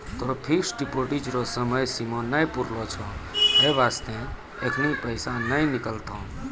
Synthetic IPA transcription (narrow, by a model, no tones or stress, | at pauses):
t̪oːpʰiksɖipoːʈid͡ʒɾosəməjsimõnəjpʊɾlot͡ʃʰɔ̃ɦeʋaːst̪ẽ | ekʰnipəɪsãnəinɪkəlt̪õ